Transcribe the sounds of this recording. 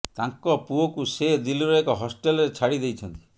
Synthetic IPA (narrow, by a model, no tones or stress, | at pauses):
t̪aŋkɔpuokused̪iliɾɔekɔɦɔsʈelɔɾet͡ʃʰaɽid̪ejt͡ʃʰɔnt̪i̥